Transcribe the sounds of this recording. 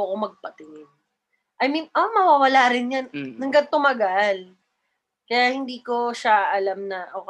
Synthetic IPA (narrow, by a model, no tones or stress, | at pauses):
ʔɐkomɐɡ̚pɐt̪ɪŋɪn | ʔɐjmiʔomɐwawɐlaːɾɪnɲanːɐŋɡɐd̪̚t̪ʊmɐɡal | kɐjaːhɪnd̪iːko̞ʃaʔɐlamnɐʔok